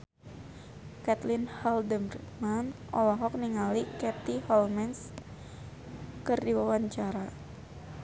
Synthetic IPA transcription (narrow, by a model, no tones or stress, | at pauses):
kat̪lɪnhaldəmrmanɔlɔɦɔk̚niŋalikɛt̪ihɔlmɛns | kɨrdiwawaɲt͡ʃaɾa